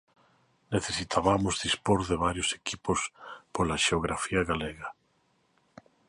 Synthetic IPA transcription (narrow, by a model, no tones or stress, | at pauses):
neθesit̪ʰaβamʊzðispoɾðeβaɾjosekipospolaʃeoɣɾafiaɣaleɣa